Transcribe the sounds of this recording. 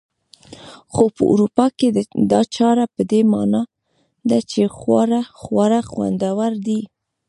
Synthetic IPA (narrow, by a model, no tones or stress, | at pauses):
xopə̰ʔṵɾupɑked̪ɑt͡ʃɑɾapəd̪emɑ̰nɑ | d̪at͡ʃexwɑɾaxwɑɾaxwa̰nd̪awaɾd̪i